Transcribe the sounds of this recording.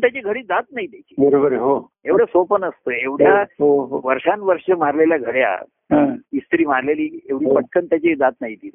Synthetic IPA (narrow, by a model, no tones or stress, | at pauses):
t̪jat͡ɕeɡʱəɽiːd̪at̪̚naɦiːd̪ekʰi̥bəɾobəɾeɦo | eʋɽjasopənəst̪əːeʋɽjaɦoɦoʋəɾʂanʋəɾʂəmaɾleljaɡʱəɽja̰ | ɦə̃ist̪ɾiːmaɾleliːeʋɽiːpəʈ̚kʰənt̪jat͡ɕed̪at̪naɦiːd̪it̪